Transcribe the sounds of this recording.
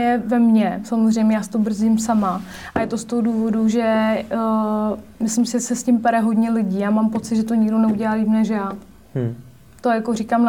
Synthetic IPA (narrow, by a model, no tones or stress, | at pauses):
jɛvɛmɲɛsamozr̝ɛjmɲɛjaːst̪obr̩zɪmsama | ʔajɛt̪o̞st̪oɦoduːvo̞duʒɛ | mɪslɪmsɪʒɛsɛscɪmpɛɾɛɦo̞dɲɛlɪɟiːjaːmampo̞t͡sɪt̪ʒɛt̪o̞ɲɪɡdo̞nɛuɟɛlaliːmnɛʒjaː | t̪o̞jakorikam